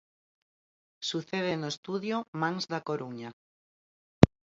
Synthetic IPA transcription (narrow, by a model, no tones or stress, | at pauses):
suθeð̞enoest̪uðjomãŋzðakoɾuɲa